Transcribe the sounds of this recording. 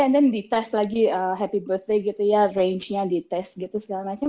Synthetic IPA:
ɛ̃ndɛndit̪ɛst̪laɡiəɦɛpibərt̪̚deɡit̪ujareɲt͡ʃɲadit̪ɛst̪̚ɡit̪usə̥kaɾamat͡ʃa

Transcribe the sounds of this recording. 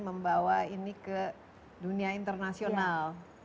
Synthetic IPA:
məmbawainikə | duniaint̪ərnasional

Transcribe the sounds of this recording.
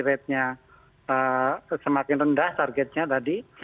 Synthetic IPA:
ɾɛt̪̚ɲa | əsəmakɪnrəndaht̪arɡɛt̪̚ɲat̪adi

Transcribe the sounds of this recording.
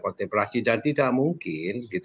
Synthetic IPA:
kot̪ɛpɾasidant̪idaʔmuŋkɪnɡit̪

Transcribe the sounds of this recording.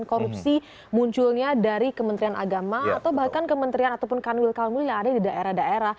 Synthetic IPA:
nkoɾup̚si | muɲt͡ʃulɲadaɾikəmənt̪ɾianʔa̰ɡamaat̪awbahkankəmənt̪ɾianat̪awpʊnkanwɪlkalmullaːdadidaʔeɾahdaʔeɾah

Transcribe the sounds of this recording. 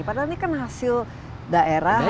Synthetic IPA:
padanikanɦasɪl | daʔeɾa

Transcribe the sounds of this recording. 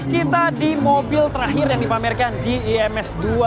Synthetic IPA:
kit̪adimobɪlt̪əɾaɦɪrjaŋdipamɪrkandiiɛmɛsdua

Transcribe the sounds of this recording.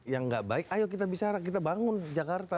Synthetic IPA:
jaŋɡaʔbaɪkajok̬it̪abit͡ʃaɾak̬it̪̬abaŋʊnd͡ʒakart̪a

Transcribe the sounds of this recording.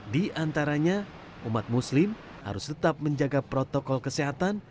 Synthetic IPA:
diʔant̪aɾaɲa | umat̪̚muslɪm | ha̰ɾʊst̪ət̪ap̚məɲd͡ʒaɡapɾot̪okɔlkəseɦat̪an

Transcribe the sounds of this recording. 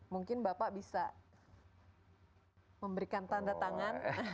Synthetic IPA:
muŋkɪnbapaʔbisa | məmbəɾikant̪andat̪aŋan

